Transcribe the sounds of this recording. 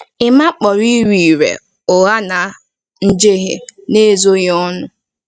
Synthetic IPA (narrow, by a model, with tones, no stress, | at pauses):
ɪ˨ma˦k͡pɔ˨ɾi˦ɾi˨i˨ɾḛ˨ | ʊ˨ɣa˦na˨ | n̩˦d͡ʒe˦ɦḛ˦ne˦zo˦ɣɪ˦ɔ˦nʊ˦